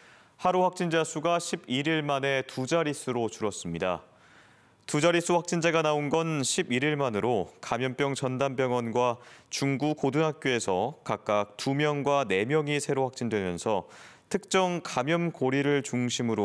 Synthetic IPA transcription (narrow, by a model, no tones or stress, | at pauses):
haɾuɸwak̚t͡ɕ͈ind͡ʑasʰuɡaɕʰibiɾiɭmane̞tud͡ʑaɾisʰɯɾot͡ɕuɾʌs͈ɯmɲida̰ | tud͡ʑaɾis͈ʰuɸwak̚t͡ɕ͈ind͡ʑaɡanaonɡʌnɕʰibiɾiɭmanɯɾokamjʌmp͈jʌŋt͡ɕʌndanp̬͈jʌŋwʌnɡwat͡ɕuŋɡukodunɦak̚k͈joe̞sʰʌkak̚k͈ak̚t͈umjʌŋɡwane̞mjʌŋisʰe̞ɾoɸwak̚t͡ɕ͈indwe̞mjʌnsʰʌtʰɯk̚t͡ɕ͈ʌŋkamjʌnkoɾiɾɯɭt͡ɕuŋɕʰimɯɾo